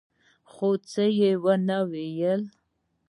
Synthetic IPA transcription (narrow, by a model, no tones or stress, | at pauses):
χot͡səjewənawejəl